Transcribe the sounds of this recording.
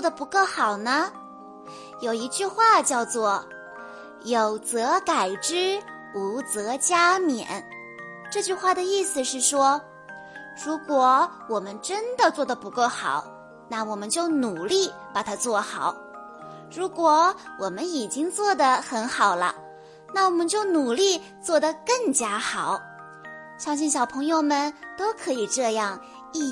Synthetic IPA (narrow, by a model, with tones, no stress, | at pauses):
wɔ˥˩d̪ə˩pu˧˥kɔ˥˩xɑ˨˩ʊnə˦ | jo˨˩ʊi˧˥t͡ɕy˥˧xwa˥˩t͡ɕjɑ˥˧ʊt͡swɔ˥˩ | jo˨˩ʊt͡sɤ˧˥ka˨˩ɪʈ͡ʂɻ̩˥ | u˧˥t͡sɤ˧˥t͡ɕja˥mjɛ̰˨˩˦n | ʈ͡ʂɤ˥˧t͡ɕy˥˧xwa˥˩d̪ə˩i˥˩sɹ̩˨˩ʂɻ̩˥˩ʂwɔ˥ | ɻu˧˥kwɔ˨˩wɔ˨˩mə˦nʈ͡ʂə˥nd̪ə˨t͡swɔ˥˩d̪ə˩pu˧˥ko˥˩ʊxɑ˨˩˦ʊ | na˥˩wɔ˨˩mə˦nt͡ɕjo˥˩ʊnu˨˩li˥˩pa˨˩t̪ʰa˥t͡swɔ˥˩xɑ˨˩˦ʊ | ɻu˧˥kwɔ˨˧˩wɔ˨˩mə˦ni˨˩t͡ɕi˥ŋt͡swɔ˥˩d̪ə˩xə˧˥nxɑ˨˩ʊlə̰˦ | na˥˩wɔ˨˩mə˦nt͡ɕjo˥˩ʊnu˨˩li˥˧ | t͡swɔ˥˩d̪ə˩kɤ˥˩ŋt͡ɕja˥xɑ˨˩˦ʊ | ɕjɑ˥ŋɕi˥˩nɕjɑ˨˩ʊpʰɤ˧˥ŋjo˥˧ʊmə˨nt̪o˥ʊkʰɤ˧˥i˨˩ʈ͡ʂɤ˥˧jɑ˥˧ŋ | i˥˧